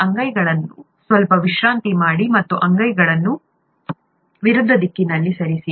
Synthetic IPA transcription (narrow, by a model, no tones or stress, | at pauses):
ɐŋɡɐjɡɐɭɐnːu | sʋɐlpɐʋiʃɾaːnt̪imaːɽimɐt̪ːuʔɐŋɡɐjɡɐɭɐnːu | ʋiɾud̪ʱːɐd̪ikːinɐlːisɐɾisi